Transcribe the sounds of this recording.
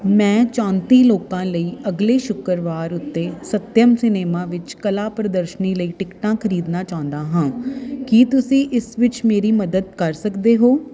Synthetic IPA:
mɛ̃ːt͡ʃãːnt̪iːloːkãːləiːəɡleːʃʊkəɾʋaːɾʊt̪ːeːsət̪jəmsɪneːmãːʋɪt͡ʃkəlaːpɾəd̪əɾʃniːləiːʈɪkʈãːkʰəɾiːd̪naːt͡ʃãːnd̪aːɦãːkit̪ʊsĩːʔɪsʋɪt͡ʃmeːɾiːməd̪əd̪̚kəɾsəkd̪eːɦoː

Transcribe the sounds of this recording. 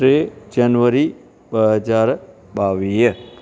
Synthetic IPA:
ɾed͡ʒənʋəɾi | bəɦəd͡ʒaɾ | baʋijə

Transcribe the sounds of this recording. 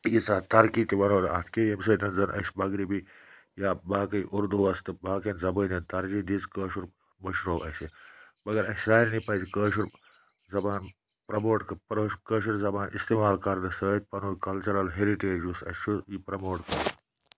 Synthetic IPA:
jit͡saːt̪ɐɾkit̪iʋɐnoːɾaːt̪ʰkejemsɐːt̪ɐnd͡zɐnʔɐ̰ʃbɐɡɾibi | jaːbaːkɐjiʔuɾd̪uʋɐst̪ɨbaːkenzɐbənʲɐnt̪ɐɾd͡ʒid̪it͡skəːʃuɾ | mɐʃɾoːɐsebɐɡɐɾɐssaːɾnipɐjsikəːʃuɾ | zɐbaːn | pɾɐmoːʈkɐpɾokəːʃ̬uɾzɐbaːnʔḭst̪eːmaːlkɐɾd̪ɨsəːt̪̚ʲpɐnukɐlt͡ʃɐɾɐlɦeɾiʈeːd͡ʒusɐ̰ʃujipɾɐmoːʈkɐɾ

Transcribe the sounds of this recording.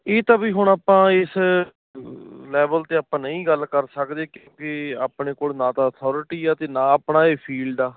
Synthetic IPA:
eːt̪ãːbiːɦʊɳ̃aːpãːɪs | lɛːbəlt̪eːaːpãːnəĩːɡəlkəɾsəkd̪eːkjõːkɪa̰ːpneːkoːlnãːt̪ãːət̪ʰɔːɾɪʈiːaːt̪eːnãːəpnaːeːpʰiːlɖaː

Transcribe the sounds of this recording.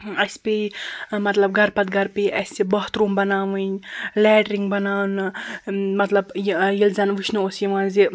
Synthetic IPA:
ɐsʲpemɐt̪lɐb̚ɡɐɾpɐt̪̚ɡʱɐɾpeʔɐsʲibɐɦt̪ɾuːmbɐnaːʋɨnlɛːɖɾiŋɡbɐnaːwnɨmɐt̪lɐbjilzanʋiʃʰnuosjiʋãːnzi

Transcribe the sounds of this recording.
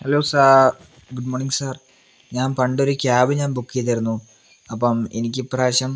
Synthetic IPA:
heloːsa | ɡuɖmoːrniŋɡsaːr | ɲaːnpɐɳɖo̞ɾukʲaːbɨɲaːnbukːijɐt̪ːiɾunːu | ɐpːɐmenikʲːɨpraːɕɐm

